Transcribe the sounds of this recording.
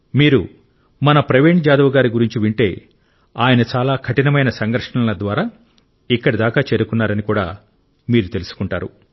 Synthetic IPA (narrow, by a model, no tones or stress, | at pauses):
miːɾṵ | mɐnɐpɾɐʋeːɳ̚d͡ʒaːd̪ɐʋɐɡaːɾiɡuɾiɲt͡ʃiʋiɳʈe̞ː | aːjɐnɐt͡ʃaːlaːkʰɐʈinɐmɐjnɐsɐŋɡɐɾʂɐɳɐlɐd̪ʋaːɾaː | ikːɐɽid̪aːkaːt͡ʃeːɾukunːaːɾɐnikuːɽa̰ː | miːɾut̪e̞lusu̥kuɳʈa̰ːɾṵ